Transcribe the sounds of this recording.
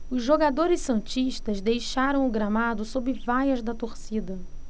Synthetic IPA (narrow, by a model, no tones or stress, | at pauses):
ʊzʒoɡad̪oɾɪsːɐ̃t͡ʃiʃt̪ɐzd̪ejʃaɾɐ̃w̃ʊɡɾamad̪ʊsobɪvajɐzd̪ɐt̪oɾsid̪ɐ